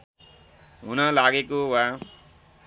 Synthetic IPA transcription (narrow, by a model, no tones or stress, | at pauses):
ɦunʌlaɡekowa